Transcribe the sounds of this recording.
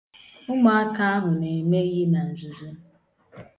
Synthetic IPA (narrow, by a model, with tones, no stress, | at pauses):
ʊ˦ma˨a˦ka˦a˦ɦʊ˨ne˨me˦ɣi˦na˨n̩˨zu˨zu˦